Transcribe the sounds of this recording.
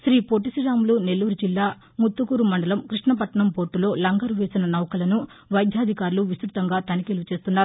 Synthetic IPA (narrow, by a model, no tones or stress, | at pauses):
sɾiːpoːʈ̬isiɾaːmlune̞lːuːɾud͡ʒilːaː | mut̪ːukuɾumɐɳɖɐlɐmkɾiʂɳɐpɐʈɐɳɐmpo̞ːɾʈːulo̞ːlɐŋɡɐɾuʋe̞ːsinɐnɐʋwkɐlɐnu | ʋɐjd̪ʱjaːd̪ʱikaːɾuluʋist̪ɾut̪ɐŋɡaːt̪ɐnikeːlut͡ʃe̞ːst̪unːaːɾu